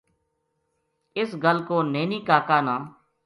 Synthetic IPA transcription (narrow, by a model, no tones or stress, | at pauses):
ɪsɡəlkoːneːniːkaːkaːnãː